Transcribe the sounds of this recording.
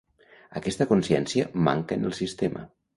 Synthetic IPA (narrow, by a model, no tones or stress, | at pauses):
əkɛst̪əkunsjɛ̰nsiəma̰ŋkə̰nə̰lˠsist̪emʔə̰